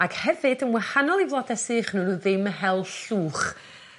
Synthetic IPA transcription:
aɡ̥hɛvɨdənwahanɔlˠivlˠɔdɛsɨːχnunuðɪməɦɛlˠɬuːχ

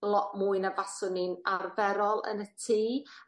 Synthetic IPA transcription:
lˠɔʔmuːɨnavasʊnɪnarvɛɾɔlˠə̰nətʰiː

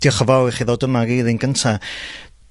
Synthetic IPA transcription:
d̥jɔχəvawɛχiðoːdəmaɡiːðinɡəntʰa

